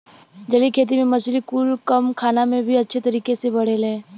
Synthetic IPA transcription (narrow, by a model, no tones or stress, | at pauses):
d͡ʒɐlikʰeːt̪̬imẽmɐslikulkɐmkʰaːnamẽbʱiɐtːʃʰet̪ɐɾiːkesebɐɽ̤elẽː